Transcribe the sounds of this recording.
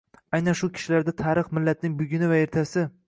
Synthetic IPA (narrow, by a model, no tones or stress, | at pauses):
ajnanʃʊkʲʰɪ̥ʃɪlaɾd̪at̪ʰaːɾɨχmɪlːat̪nɪŋbʊɡʲɪnɪvae̞ɾt̪ʰasɪ